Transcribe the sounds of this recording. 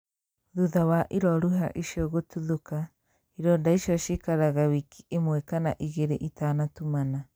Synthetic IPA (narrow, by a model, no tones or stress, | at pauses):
ðuðawaʔiɾɔɾuɦa̰ʔiʃiɔɣotuðoka | iɾɔndaiʃiɔʃekaɾaɣawiki̥emwɛkana̰ʔiɣeɾeʔitaːnatumana